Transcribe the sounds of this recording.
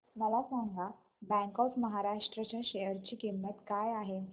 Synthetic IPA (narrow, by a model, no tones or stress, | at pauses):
məlasaŋɡa | bɛ̃ŋkɔfməɦaɾaʂʈɾət͡ɕaɕejəɾt͡ɕiːkimːət̪kajaɦe